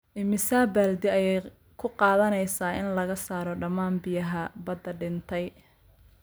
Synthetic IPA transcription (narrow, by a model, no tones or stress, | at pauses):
ʔɪmɪsaːbɐld̪ɪɐjɛj | kʰʊqɑːðɐnɛjsaːʔɪnlɐɣɐsaːɾɔɖɐmaːnbɪjɐɦɐbɐd̪ɐɖɪnt̪ʰɛj